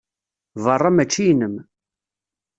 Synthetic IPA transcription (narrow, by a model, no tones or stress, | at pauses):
vərˤːɑmæt͡ʃːijnəm